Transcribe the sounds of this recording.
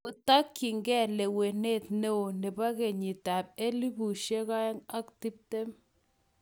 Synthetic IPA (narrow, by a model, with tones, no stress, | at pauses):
o˨t̪a˦kːi˨ŋɡɛ˦˨le˨we˨ne˦t̪ne˦o˨ne˨ba˦ɡe˨ɲi˨t̪a˨p̚e˦li˦bu˨ʃe˦ɣa˦ŋa˦kt̪i˦p̚t̪e˦m